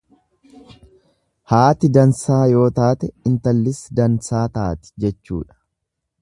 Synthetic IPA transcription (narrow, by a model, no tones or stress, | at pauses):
haːt̪ɪd̪ɐnsaːjo̞ːt̪aːt̪ɛɪnt̪ɐlːɪsd̪ɐnsaːt̪aːt̪ɪ̥d͡ʒɛt͡ʃːṵːᶑɐ̥